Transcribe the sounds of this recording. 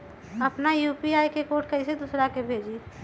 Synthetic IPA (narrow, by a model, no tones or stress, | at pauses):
ɐpnajuːpiaːjkekoːʈ̚kəɪsed̪ʊsɾakebʱeːd͡ʒi